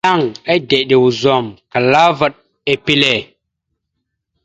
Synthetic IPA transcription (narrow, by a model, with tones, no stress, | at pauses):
a˦˨ŋa˦jde˨ɗe˨wu˨zo˨mka˨la˦va˦ɗ̚ | e˨pi˦le˨